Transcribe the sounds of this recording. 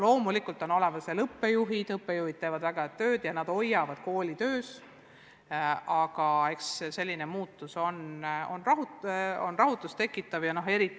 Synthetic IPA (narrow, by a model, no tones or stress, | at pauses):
lo̞ːmulikult̪ˑo̞no̞le̞vɑselɤpːe̞juɦid̪ɤpːˑe̞juhid̥̪̚t̪e̞ːvɑd̪væɡ̥ɑt̪øːd̪̥jɑnɑd̪̥o̞jːɑvɑd̪̥ko̞ːlʲit̪ø̞ːs | ɑɡ̥ɑe̞ksse̞lːinemuːt̪ːˑuso̞no̞nrɑɦuo̞nrɑɦut̪ːˑust̪e̞kːˑit̪ːˑɑvjɑno̞ɦe̞ɾit̪ːi